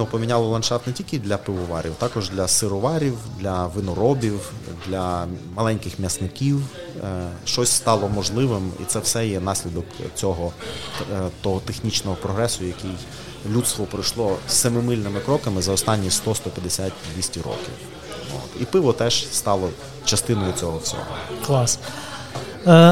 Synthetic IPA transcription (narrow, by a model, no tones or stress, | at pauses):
nupɔmʲinʲɑlˠɐlˠɐnʃɑft̪nɛtʲilʲkɪd̪lʲɐpɪʋɔʋɑ̰ɾʲiwt̪ɑkɔʒd̪lʲɐsɪɾɔʋɑɾʲiwd̪lʲɐʋɪnɔɾɔbʲiwd̪lʲɐmɐlˠɛnʲkɪxmʲjɐsnɪkʲiw | ʃt͡ʃɔsʲst̪ɑlˠɔmɔʒlˠɪʋɪmḭt̪sɛwsɛjɛn̪ɑsʲlʲid̪ɔkt͡sʲɔɦɔ | t̪ɔɦɔt̪exnʲit͡ʃnɔɦɔpɾɔɦɾɛsʊjɐkɪj | lʲut̪st̪ʋɔpɾɪjʃlˠɔssɐmɪmɪlʲnɪmɪkɾɔkɐmɪzɐɔst̪ɑnʲːist̪ɔst̪ɔpʲjɐd̪esʲatʲd̪ʋʲisʲtʲiɾɔ̰kʲḭw | o̰t̪ipɪʋɔt̪ɛʒst̪ɑlˠɔ | t͡ʃɐst̪ɪnɔjʊt͡sʲɔɦɔt͡sʲɔ̰ɦɔ̰klˠɑs